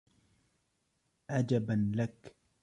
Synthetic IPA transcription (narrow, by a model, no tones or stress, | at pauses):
ʕad͡ʒabanlak